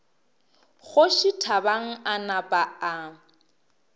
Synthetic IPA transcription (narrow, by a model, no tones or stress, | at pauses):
ɣʊʃitʰabaŋ̩anapʼaa